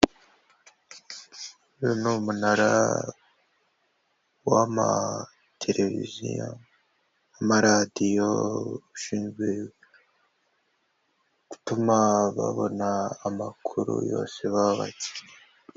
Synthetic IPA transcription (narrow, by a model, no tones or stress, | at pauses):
ɾinumunaɾa | wama | tʰe̞ɾʔe̞vḭzijo | amaɾadijoβuʃiːnɡwe | ɡ̥u̥tumaβa̰βo̞̰naːmakʰuɾṵjo̞ːse̞βaβa̰ciɲe